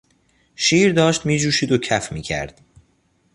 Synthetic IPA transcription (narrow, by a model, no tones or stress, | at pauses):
ʃiːɾd̪ɒːʃt̪miːd͡ʒuːʃiːd̪ocʰæfmiːcʰæ̰ɾd̪̥